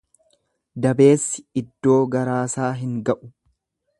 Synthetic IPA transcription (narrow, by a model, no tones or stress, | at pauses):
d̪ɐbe̞ːsːɪ̥ɪd̪ːo̞ːɡɐɾaːsaːɦɪŋɡɐʔʊ̥